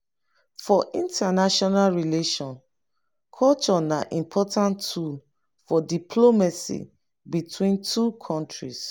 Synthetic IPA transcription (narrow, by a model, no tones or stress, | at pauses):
fɔʔĩntʰanaʃɔnalɹileʃɔ̃n | kʰɔlt͡ʃɔnaʔĩmpʰɔtãntʰul | fɔdipʰlomasḭ | bitwĩntʰukʰɔ̃ntɹis